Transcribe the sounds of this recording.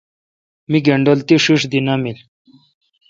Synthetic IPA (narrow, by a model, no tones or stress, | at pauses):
miːɡeɳɖolt̪iɕuʂd̪inamil